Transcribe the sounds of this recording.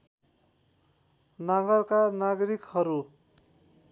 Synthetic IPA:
nʌɡʌrkanaɡʌɾikhʌɾu

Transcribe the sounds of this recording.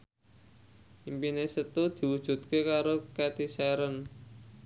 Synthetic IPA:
ʔimpinesət̪ud̪̥i̤wud̥ʒ̥ṳt̪̚kekaɾokɛt̪isɛɾən

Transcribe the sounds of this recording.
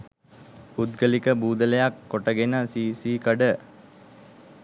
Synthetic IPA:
pud̪ɡəlikəbuːd̪əlejakːoʈəɡenəsiːsiːkəɖə

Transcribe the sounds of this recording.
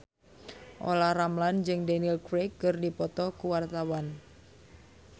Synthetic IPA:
ʔo̰laramland͡ʒɨŋdanilkɾekːərdipɔt̪ɔkuwart̪awan

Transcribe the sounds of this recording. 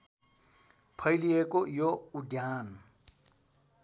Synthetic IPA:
pʰailiɛkʼɔjoʊdiaːna

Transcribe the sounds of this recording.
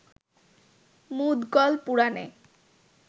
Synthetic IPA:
mud̪ɡɔlpuɽanḛ

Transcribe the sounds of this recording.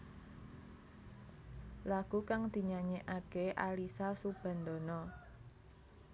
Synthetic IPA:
laɡ̥ṳkaŋd̪̥i̤ɲaɲeʔakeʔalisasub̥a̤nd̪ɔnɔ

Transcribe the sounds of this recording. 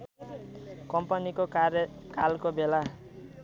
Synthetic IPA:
kʌmpʌnikokɾjkalkobela

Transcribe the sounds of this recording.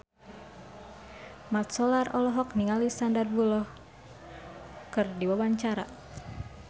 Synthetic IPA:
mat̪̚sɔlarɔlɔɦɔkniŋalist̪andar̚bulɔh | kɨrdiwabaɲt͡ʃaɾa̰

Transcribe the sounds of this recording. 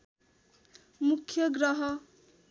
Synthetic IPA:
mukʰjʌɡɾʌɦʌ

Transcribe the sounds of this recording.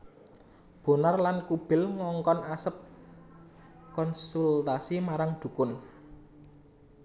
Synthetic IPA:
b̥o̤narlankub̥ɪ̤lŋɔŋkɔnasəp̚ | kɔnsult̪asimaɾaŋd̪̥ṳkʊn

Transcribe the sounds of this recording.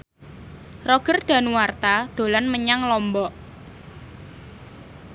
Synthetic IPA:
rɔɡ̥ərɖ̪̥a̤nuwart̪ad̪̥o̤lanməɲaŋlɔmbɔʔ

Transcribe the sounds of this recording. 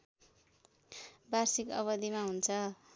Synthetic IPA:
barsikʌ̰βʌd̪imaɦunt͡sʰʌ

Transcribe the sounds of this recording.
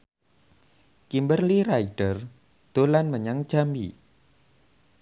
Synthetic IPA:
kimbərliraiɖ̥ər | d̪̥olanməɲaŋ̥ʒ̥ami

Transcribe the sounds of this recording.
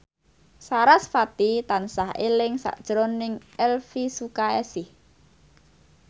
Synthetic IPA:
saɾasfat̪it̪ansahelɪŋsa̰ʔd̥ʒ̥ɾonɪŋʔɛlfisukaɛsɪh

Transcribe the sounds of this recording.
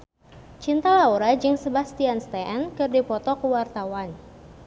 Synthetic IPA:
t͡ʃint̪alauɾad͡ʒɨŋsəbahst̪ianst̪ɛʔɛnkɨrdipɔt̪ɔkəwart̪awan

